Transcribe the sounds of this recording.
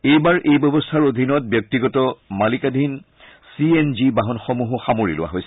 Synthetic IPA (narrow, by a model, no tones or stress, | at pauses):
ejbaɹʔejbɔbɔstʰaɹodʱinɔt̚bjɔk̚tiɡɔtɔmalikad̪ʱin | sienzibaɦɔnxɔmuɦɔxamoɹḭlʊ̰wa̰ɦojsɛ